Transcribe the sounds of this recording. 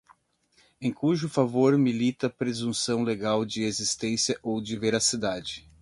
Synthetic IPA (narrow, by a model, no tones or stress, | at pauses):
ẽj̃kuʒʊfavoɾmilit̪ɐpɾezũsɐ̃w̃leɡawd͡ʒɪezist̪ẽsjɐʔowd͡ʒɪveɾasid̪ad͡ʒɪ